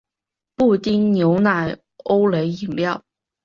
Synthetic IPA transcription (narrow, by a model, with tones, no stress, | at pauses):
pu˥˩t̪i˥ŋnjo˧˥ʊna˨˩ɪ | o˥ʊle˧˥ɪi˨˩ŋljɑ˥˩ʊ